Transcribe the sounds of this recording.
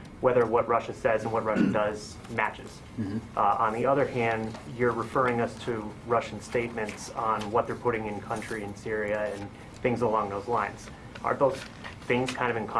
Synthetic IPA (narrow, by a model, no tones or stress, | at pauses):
wɛðə˞wʌt̚ɹʌʃɨsɛzɨ̃nwʌt̚ɹʌʃɨdʌz | mæt͡ʃɪz̥ | ə̃nðiʌðə˞hæ̃ndjə˞ɹɨfɜ˞ɪ̃ŋʌstʰɨɹʌʃn̩steɪt̚mɨ̃ntsn̩wʌt̪̚ðə˞pʰʊɾɪ̃ŋɨ̃nkʰʌ̃nt͡ʃɹ̥iɨ̃nsɪɹiɨɨ̃n | θɪ̃ŋzəlɔ̃ŋðoʊzlãɪ̃nz̥ | ʔə̰˞ðoʊz̥ | θɪ̃ŋz̥kʰãɪ̃ndʌvɨ̃nkʰɑ̃